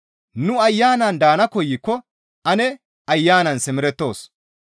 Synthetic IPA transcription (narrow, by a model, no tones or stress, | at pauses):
nʊɐjːaːnɐnd̪aːnɐkɔjːɪkːɔ | ɐnɛ | ɐjːaːnɐnsɪmɪɾɛt̪ːo̞ːs